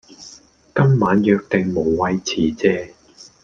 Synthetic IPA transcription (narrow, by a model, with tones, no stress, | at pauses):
kɐ˥mːaː˨˧˥njœː˧k̚t̪e˨ŋmo˨˩wːɐ˧jt͡sʰiː˨˩t͡sɛː˧